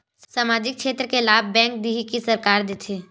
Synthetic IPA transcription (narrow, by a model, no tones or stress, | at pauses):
samaːd͡ʒɪk̚ʃeːt̪ɾəkelaːb̚bɛ̃ːŋk̚d̪iɦikisɐɾkaːɾd̪et̪ʰeː